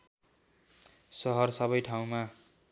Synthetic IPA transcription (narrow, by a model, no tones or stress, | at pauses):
sʌɦʌrsʌbʌjʈʰaw̃ma